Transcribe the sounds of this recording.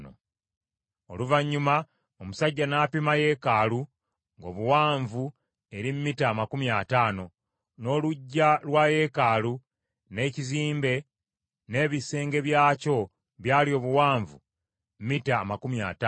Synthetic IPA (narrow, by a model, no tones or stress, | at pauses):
o̰ | oluvaɲːuma | omusaɟːanaːpimaje̞ːkalu | ŋɡo̞̰ːβuwaːɱvu | e̞ɾimmitaːmakumjataːno̞ | no̞ːluɟːalwaːje̞ːkaːlu | ne̞ːciziːmbe̞ | ne̞ːβise̞ːŋɡe̞βjaːco̞ | βjaːlio̞ːβuwaːɱvu | m̩mitaːmakumja̰ːta